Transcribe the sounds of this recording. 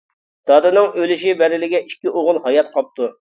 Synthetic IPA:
d̪̥ɑd̪ɨnɨŋølɪʃibɛɾɪlɪɡʲɛʔiʃkʲiʔoʁʊlˠhɑjɑt̪qʰɑp̚t̪u

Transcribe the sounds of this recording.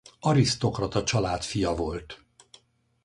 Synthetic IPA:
ɒɾist̪o̞krɒt̪ɒt͡ʃɒlaːt̪fijɒvo̞lt̪

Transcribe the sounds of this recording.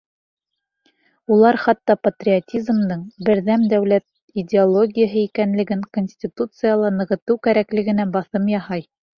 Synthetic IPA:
ulˠɑɾχɑt̪ːɑpɐt̪rʲɪotʲizmd̪ɤɴbɘ̆ɾðæmd̪æwlæt̪̚ | idʲɪolˠo̞ɡʲijəɦɤikænlɘ̆ɡɘŋkonʲsʲtʲit̪ut̪sɨjalˠɑnɤ̆ʁɤ̆t̪ɤwkæɾæklɘ̆ɡɘ̆næbɑθɤmjɑhɑj

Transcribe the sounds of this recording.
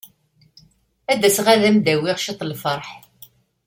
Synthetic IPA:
æd̪æsʁæðæmd̪æwiʁʃit̪ˤlfəɾˤħ

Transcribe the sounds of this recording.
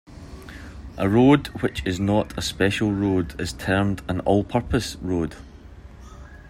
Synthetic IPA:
ʔəɹodwɪt͡ʃɪznəʔəspɛʃəl̩ˠɹodɪz̥tʰɜ˞mdə̃nɔlˠpʰɜ˞pʰəsɹod̥

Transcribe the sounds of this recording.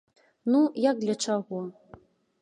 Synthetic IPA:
nujaɡ̚d̪lʲɐt͡ʂaɣɔ

